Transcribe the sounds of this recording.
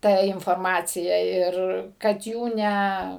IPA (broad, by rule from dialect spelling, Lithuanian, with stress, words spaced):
ˈtɐ ɪnfoːrˈmɑːt͡sʲɪjɛ ˈɪr kɐt ˈjuː ˈnʲɛ